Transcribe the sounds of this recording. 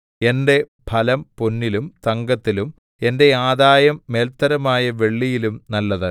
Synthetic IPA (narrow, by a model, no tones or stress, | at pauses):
e̞nde̞ | bʱɐlɐmponːilumt̪ɐŋɡɐt̪ːilum | e̞nde̞aːd̪aːjɐmːeːlt̪ːɐɾɐmaːjɐʋe̞ɭːijilumnɐlːɐðɐ